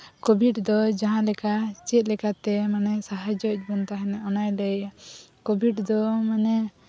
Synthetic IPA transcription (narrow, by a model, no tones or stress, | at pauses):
kobʱiɖd̪ɔd͡ʒaɦãlɛkat͡ʃɛt̪̚lɛkat̪ɛmanɛsaɦad͡ʒɔc̚ˀbɔnt̪aɦɛnɛɔnajɖɛjkobʱiɖd̪ɔmanɛ